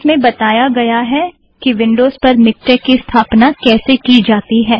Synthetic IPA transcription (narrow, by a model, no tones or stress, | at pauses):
smẽbɐt̪aːjaɡɐjaɦɛ | kiʋɪ̃ɳɖoːzpɐɾmɪk̚ʈɛːkːist̪ʰaːpnakɛːsekid͡ʒaːt̪iɦɛː